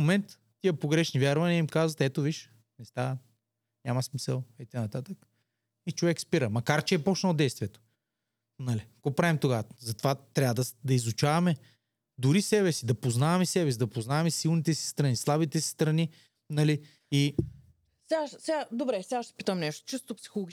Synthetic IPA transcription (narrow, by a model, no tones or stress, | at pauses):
momɛnt̪ːiəpoɡɾɛʃnivʲjaɾvɐniəimkazvɐt̪ɛt̪oviʃ | nɛst̪a | nʲamɐsmisɛlˠɐit̪knɐt̪at̪ək | it͡ʃovɛkspiɾəmɐkaɾt͡ʃɛːpɔt͡ʃnɐlˠd̪ɛjst̪vʲiɛt̪o̥ | nɐliɡ̥opɾavimt̪oɡazɐt̪o̥vat̪ɾʲavɐd̪ɐd̪ɐizut͡ʃavɐmɛ | d̪ʊɾisɛβɛsid̪ɐpoznavɐmɛsɛbɛs̬id̪ɐpoznavɐmɛsilˠnit̪ɛsi̥st̪ɾɐnislˠabit̪ɛsi̥st̪ɾɐni | nɐli | i | sɛaʃsɛɡad̪obɾɛsʲɛɡaʃt̪ɛ̥pit̪əmnɛʃt̪o̥t͡ʃist̪opsi̥xolˠoɡi